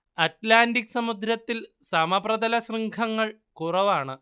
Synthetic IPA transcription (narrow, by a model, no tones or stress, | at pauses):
ɐtlaːndiksɐmud̪ɾɐt̪ːilsɐmɐbrɐd̪ɐlɐɕrɨŋɡʰɐŋːɐɭ | kurɐʋaːɳɨ